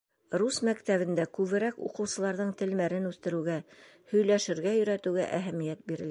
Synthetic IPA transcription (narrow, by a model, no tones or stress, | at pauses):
ɾusmækt̪æβɘ̆nd̪ækʉβɘ̆ɾækṵqɤ̆wsɤ̆lˠɑɾðɤɴt̪ɘ̆lmæɾɘnʉθt̪ɘ̆ɾɘ̆wɡæ | hɵ̆jlæʃɘ̆ɾɡæjɵ̆ɾæt̪ɘ̆wɡæ̰ʔæɦæmijæt̪̚biɾɘ̆læ